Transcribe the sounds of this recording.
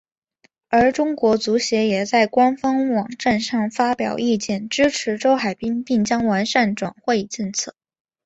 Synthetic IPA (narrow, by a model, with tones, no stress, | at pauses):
ə˞˧˥ʈ͡ʂʊ˥ŋkwɔ˧˥t͡su˧˥ɕjɛ˧˥jɛ˨˩t͡sa˥˩ɪkwa˥nfɑ˥ŋwɑ˨˩ŋʈ͡ʂa˥˧nʂɑ˥˩ŋfa˥pjɑ̰˨˩ʊi˥˧t͡ɕjɛ˥˩nʈ͡ʂɻ̩˥ʈ͡ʂʰɻ̩˧˥ʈ͡ʂo˥ʊxa˨˩ɪpi˥ŋpi˥˩ŋt͡ɕjɑ˥ŋwa˧˥nʂa˥˩nʈ͡ʂwa̰˨˩nxwe˥˧ɪʈ͡ʂə˥˧nt͡sʰɤ˥˩